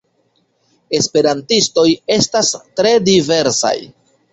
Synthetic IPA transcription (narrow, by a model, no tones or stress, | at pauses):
e̞spe̞ɾantisto̞je̞stastɾe̞dive̞ɾsa̰j